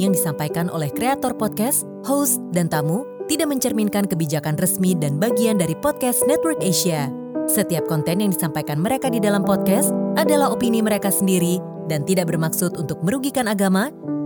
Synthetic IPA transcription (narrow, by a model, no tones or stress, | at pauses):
jaŋdisampajkanʔo̰lɛhkɾeat̪ɔrpɔt̪̚kɛs | hosdant̪amut̪idaʔ̚məɲt͡ʃərminkankəbid͡ʒakanrəsmidanbaɡiandaɾipɔt̪̚kɛsnɛt̪̚wərkeʃia | sət̪iap̚kɔnt̪ɛnjaŋdisampajkanməɾekadidalampɔt̪̚kɛsadalaɦopiniməɾekasəndiɾi | dant̪idaʔbərmaksʊt̪unt̪ʊk̚məɾuɡikanaɡama